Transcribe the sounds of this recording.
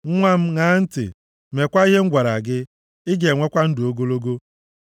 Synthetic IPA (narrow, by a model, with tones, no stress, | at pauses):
ŋ̩˦ŋʷa˦m̩˦ŋa˦n̩˦tɪ̰˨ | me˨kʷa˦i˦ɦe˦ŋ̩˦ɡʷa˨ɾa˨ɡɪ˦ | ɪ˦ɡe˨ŋʷe˦kʷa˦n̩˦dʊ˨o˦ɡo˦lo˦ɡo˦